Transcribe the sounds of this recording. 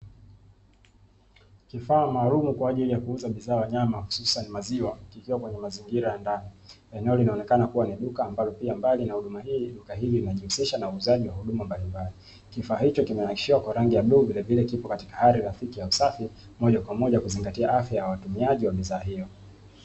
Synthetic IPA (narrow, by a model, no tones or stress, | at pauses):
kifaːmaːlumukwaːʄilijakuuzaɓiðaːwaɲamahu̥susanimaziwakikiwakwɛɲɛmaziŋɡiɾajandani | ɛnɛɔlinaɔnɛkanakuwaniɗukaːmbalɔpiambalinahuɗumahiːɗukahililinaʄihusiʃanauːzaʄiwahuɗumambalimbali | kifaːhit͡ʃɔkimɛnaki̥ʃiwakwaɾaŋɡijaɓuːvilɛvilɛkipɔkati̥kahaɾiɾaθikijausafi | mɔʄakwamɔʄakuziŋɡatiaʔafjajawatumiaʄiwaɓiðaːɦijɔ